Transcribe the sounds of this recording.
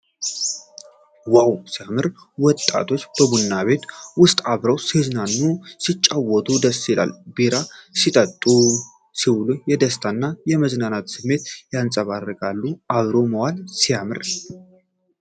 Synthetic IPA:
wawsijamɨɾ | wɔt̪ʼːa̰t̪ʰo̞t͡ʃːbəbunːaβe̞t̪wʊst̪ʼaβɾəwsihɨznanːusit͡ʃʼːawɔt̪ʼud̪əsːila̰lbiɾasit̪ʼət̪ʼːu | siwlujɛd̪əst̪ʰanːajɛməznanat̪sɨmːe̞t̪jansʼəβarəkʼalːuaβɾo̞məwalsijamɨɾ

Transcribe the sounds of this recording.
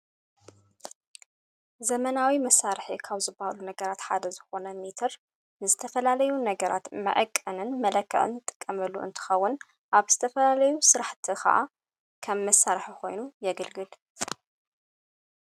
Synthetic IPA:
zɐmɐnawimɐsːaɾħikʰaβzɨbːahalunɐɡɐɾat̪ħa̰d̪ɐzɨxo̞nɐmit̪ʰɐɾ | nɨzɨt̪ʰɐfɐlalɐjunɐɡɐɾʔa̰t̪mɐ̰ʔɐkʼːɐnɨnmɐlɐkʰːɐ̰ʔɨ̰nt̪ʼɨ̥kʼːɐmɐlːuʔɨ̰nt̪ʰɨ̥xɐwːʊn | ʔaβz̥ɨt̪ʰɐfɐlalɐjusɨɾaħt̪ʰixɐ̰ʔa̰ | kʰɐmːɐsːaɾħikʰo̞̰jnujɛɡɨlɡɨl

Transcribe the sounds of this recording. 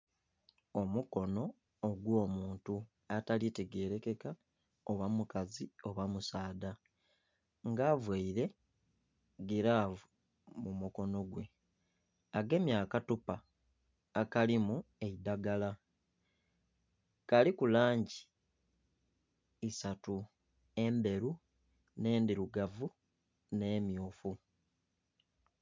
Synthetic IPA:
o̞muko̞no̞ː | ɡwo̞ːmuːntu | atalite̞ɡe̞ːɾe̞ke̞ka | oβamukazio̞βamusaːda | ŋɡaːvweiɾe̞ | ɡeɾavu | mumuko̞no̞ɡwe̞ | aɡe̞ːmjaːkatupaː | kalimue̞idaɡala | kalikulaːɲɟi | isatu | e̞mbe̞ɾu | ne̞ːndiɾuɡavu | ne̞ːmjoːfu

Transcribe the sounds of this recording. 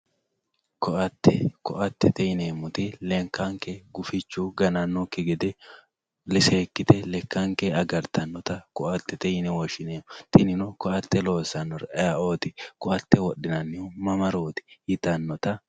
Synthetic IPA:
kɔʔɐt̪ːɛkɔʔɐt̪ːɛt̪ɛjneːmːʊt̪ɪleŋkaŋkeːɡʊfɪt͡ʃːuːɡɐnɐnːɔkɪɡɛd̪ɛ | lɪseːkːɪt̪ɛlɛkːaŋkeɐɡɐɾt̪ɐnːɔt̪ɐkʊʔɐt̪ːɛt̪ɛjnɛwɔʃɪneːmʊt̪ɪnɪnʊkɔʔɐt̪ːɛlo̞ːsɐnːɔɾɐaʔoːt̪ɪkʊʔɐt̪ːɛwɔɗɪnɐnːɪumɐmɐɾoːt̪ɪ̥hɪt̪ɐnːɔt̪ɐ

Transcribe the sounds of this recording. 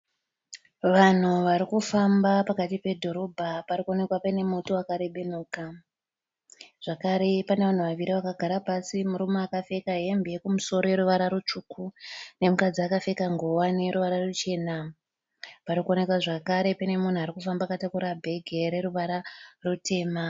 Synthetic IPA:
ʋan̤uʋaɾikufambapakatipe̞dʱo̞ɾo̞bʱapaɾiko̞ne̞kwapane̞mutoakaɾe̞ɓe̞nuːka | ʐ̥akaɾe̞paneʋan̤uʋaʋiɾiʋakaɡʱaɾapasimuɾumoakafe̞kaɦe̞mbejekumuso̞ɾoje̞ɾuʋaɾaɾut͡ʂukune̞mukad͡ziakafe̞kaŋɡowane̞ɾuʋaɾarut͡ʃe̞ːna | paɾikuone̞kwaʐakaɾe̞pane̞mun̤uaɾikufambaːkatakuɾabʱe̞ɡʱe̞ɾe̞ɾuʋaɾarutʰe̞ːma

